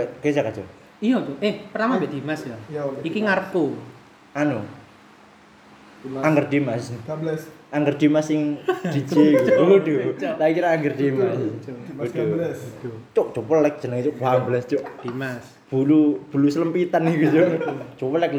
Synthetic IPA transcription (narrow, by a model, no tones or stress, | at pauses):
ɡ̥es̬akat͡ʃɔ | ijɔt͡ʃoʔehpərt̪amambɛʔd̪̥imasjaikiŋart̪u | ʔanu | aŋɡərd̪imas | aŋɡərd̪̥imasɪŋd̪̥id͡ʒikd̪ulaikiɾaːŋɡərd̪imasud̥u | t͡ʃoʔt͡ʃopɔllɛk̚d͡ʒ̥ənəŋt͡ʃoʔbambəlɛst͡ʃoʔd̪̥imas | b̥ulub̥ulusələmpit̪anikut͡ʃod͡ʒopəlɛk